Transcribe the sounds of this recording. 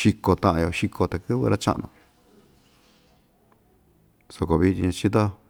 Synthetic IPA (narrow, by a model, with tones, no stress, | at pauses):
ʃi˧ko˧t̪ã˧ʔã˧jo˧ʃi˧kʰo˧t̪a˨kɨ˦βɨ̰˧ɾa˦t͡ʃa̰˦ʔnõ̰˧ | so˧ko˧βi˧i˧ɲã˧t͡ʃi˦t̪o˦